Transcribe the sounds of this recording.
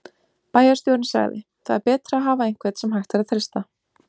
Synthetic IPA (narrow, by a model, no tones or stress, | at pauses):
paːjaɾ̥st̪jowɾnsa̰ɣðɪ̰θa̰ðɛɾpɛːt̪ɾaːɦaːvaejŋ̥kvɛːt̪sɛmɦajxt̪aɾaðθɾest̪a